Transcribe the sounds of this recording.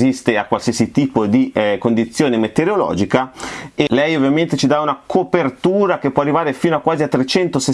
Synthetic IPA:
zist̪eakwalsiasit̪iːpod̪ikond̪it̪sːjoːnemet̪eɾolɔ̰ːd͡ʒikaelɛjovjament̪et͡ʃid̪aunakʰopert̪uːɾak̟epːwɔarːivaːɾefiːnoakːwaːziat̪ːɾet͡ʃɛnt̪ose

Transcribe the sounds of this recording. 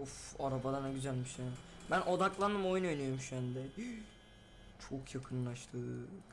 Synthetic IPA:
ufaɾabad̪anaɡyd͡ʒanmɯʃjaːnɪbænʔo̞d̪aklˠand̪ɯmo̞junøjnyjoɾmʃjɛnd̪ɛ | t͡ʃʰo̞kʰjakʰɯnlˠaʃt̪ʰɯ

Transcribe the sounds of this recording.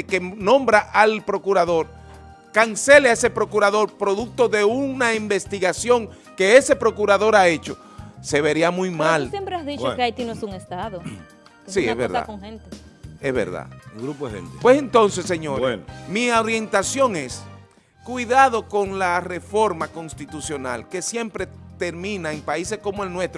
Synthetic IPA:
kenõ̞mbɾaʔalpɾo̞kuɾaðo̞ɾ | kanse̞leaese̞pɾo̞kuɾaðo̞ɾpɾo̞ðuk̚t̪o̞ðe̞unaimbe̞st̪iɣasjo̞ŋ | ke̞e̞se̞pɾo̞kuɾaðo̞ɾae̞t͡ʃo̞ | se̞βe̞ɾiamujmalsjempɾeazðiokeajt̪inoesuŋest̪aðo | siezβeɾða̰oŋhent̪e | ḛzβḛɾða̰ðeɡɾupoesḛnt̪epwe̞se̞nt̪o̞nse̞sːeɲoɾenmiaɾje̞nt̪asjo̞ŋe̞s | kwiðaðo̞ko̞ŋlare̞fo̞ɾmako̞nst̪it̪usjo̞na̰lke̞sje̞mpɾe̞t̪e̞ɾmĩnaeŋpaise̞sko̞moe̞lnwe̞st̪ɾo

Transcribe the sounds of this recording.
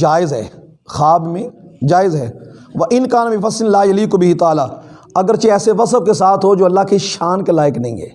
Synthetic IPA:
d͡ʒaːɪzɦɛ̰ː | xaːbmẽ | d͡ʒaːɪzɦɛː | ʋɐʔɪnkaːnabɪ̃fɐsːɪnlaːjɐliːkbɪɦit̪aːlaː | ɐɡəɾt͡ʃeɛːseʋɐsəbkesaːt̪ʰɦod͡ʒoːɐlːakiʃaːnkelaːɪknɐɦĩːɡḛː

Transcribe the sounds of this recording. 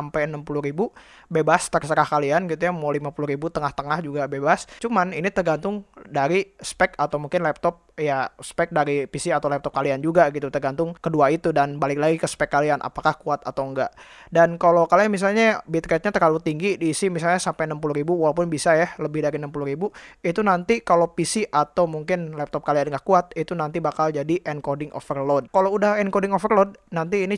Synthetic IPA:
ampajənampuluhɾibu | bebast̪ərsəɾahkalianɡit̪ujamalimapuluɾibut̪əŋaht̪əŋahd͡ʒuɡabebast͡ʃumaninit̪ərɡant̪ʊŋdaɾispɛkat̪awmuŋkɪnlɛp̚t̪ɔp̚jaspɛk̚daɾipisiat̪awlɛp̚t̪ɔp̚kaliand͡ʒuɡaɡit̪ut̪ərɡant̪ʊŋkəduait̪udanbalɪk̚laɡikəspɛkːalianʔa̰pakahkuat̪at̪aəŋɡaʔdankalowkalianmis̬alɲabit̪̚kɛt̪̚ɲat̪əralut̪iŋɡidiːsimis̬alɲasampɛjnəmpuluɾibuwalawp̬ʊnbisajahləbɪhdaɾinəmpuluɾibuit̪unant̪ikalowpisiʔat̪awmuŋkɪnlɛp̚t̪ɔp̚kalianŋahkuat̪̚it̪unant̪ibakald͡ʒadiʔɛnkodɪŋʔo̰fərlɔd̚kaloudahɛnkodɪŋofərlod̚nant̪iːni

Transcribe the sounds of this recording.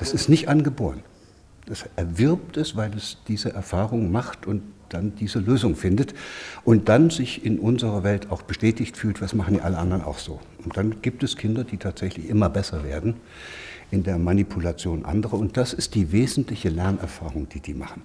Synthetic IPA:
d̥asɪstnɪçtʔanɡəboːʁən | d̥asʔɛɐvɪɐp̚tɛsv̥aɪlɛsd̥iːzəʔɛɐfaːʁ̞ʊŋmaχtʰʊntd̥andiːzəløːzʊŋfɪndətʔʊnt̚d̥anzɪçɪnʔʊnzəʁɐvɛltʰaʊxb̥əʃtɛːtɪçtfyːltv̥asmaχn̩dḭːʔaləʔandɐna̰ʊxz̥oː | ʊntd̥anɡ̥iːp̚tɛskʰɪndɐdiːtʰaːtz̥ɛçlɪçʔɪmɐbɛsɐvḛːɐdn̩ | ʔɪndeːɐmanipʰulat͡sjoːnʔa̰ndəʁəʊnt̚d̥asɪstd̥iːveːzn̩tlɪçəlɛɐnɛ̰ɐfaːʁʊŋd̥iːd̥iːmaχn̩

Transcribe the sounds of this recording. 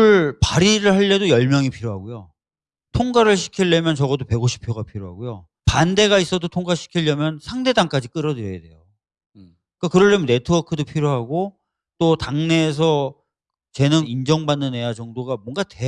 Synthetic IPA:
ɯɭpaɾiɾɯɭhaɭːedojʌɭmjʌŋipʰiɾjoɦaɡojo | tʰoŋɡaɾɯɭɕ̬ʰi̥kʰiɭːemjʌnt͡ɕʌɣʌdope̞ɡoɕʰi̥pʰjoɡapʰiɾjoɦa̰ɡojo | pande̞ɣais͈ʌdotʰoŋɡaɕʰi̥kʰiʎjʌmjʌnsʰaŋde̞daŋk͈ad͡ʑik͈ɯɾʌdɯɾjʌjede̞̰jo | k͈akɯɾʌɭːemne̞tʰɯʌkʰɯdopʰiɾjoɦaɡo | t͈otaŋne̞ːs̬ʰʌ | t͡ɕe̞nɯŋind͡ʑʌŋbanːɯne̞jad͡ʑʌŋdoɡamwʌŋɡate

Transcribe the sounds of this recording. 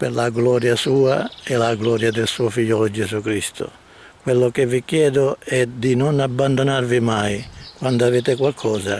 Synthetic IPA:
perlaɡlɔːɾjasuːaɛlaɡlɔːɾjad̪ɪlsuːofiʎːɔːlod͡ʒezukɾist̪ʰʊ̰ | kwelːʊkevːikjɛːd̪ʊɛd̪inonabːand̪onarvimajkwand̪oaveːt̪ɪkwalkʰɔːza

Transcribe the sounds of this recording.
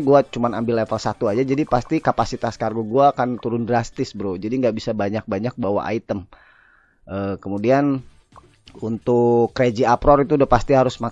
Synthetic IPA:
ɡuat͡ʃumanambɪlːefəlsat̪uad͡ʒad͡ʒadipast̪ikapasit̪askarɡuɡuakant̪uɾʊndɾast̪ɪsbəɾʊd͡ʒadiŋɡaʔbisabaɲak̚baɲak̚bawa̰ʔa̰it̪əm | ʔəːkəmudian | unt̪ʊkːɾed͡ʒiapɾɔrit̪udapast̪iɦaɾʊsma

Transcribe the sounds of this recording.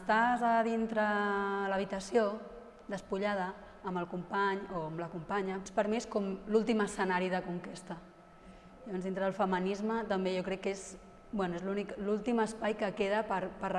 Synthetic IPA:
st̪azəðint̪ɾələβ̞it̪əsjo | d̪əspuʎað̞əː | mbəlˠkumpaɲoəmləkumpaɲəpəɾmieskɔmlulˠt̪iməsənaɾiðəkuŋkest̪ə | jəβɔnzðint̪ɾəðəlˠfəmənizmət̪əmbejokɾɛkːez | bwɛnuezluniklulˠt̪iməspajkəkeðəpəɾpəɾ

